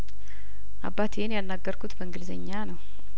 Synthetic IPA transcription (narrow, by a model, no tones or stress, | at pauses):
ʔa̰bːat̪jenjalnːaɡːəɾkʰut̪bəɨŋɡɨlzəɲːanəw